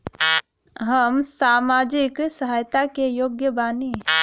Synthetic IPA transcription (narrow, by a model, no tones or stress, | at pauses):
ɦəmsaːmaːd͡ʒɪksəɦaːjt̪akejoːɡjəbaːni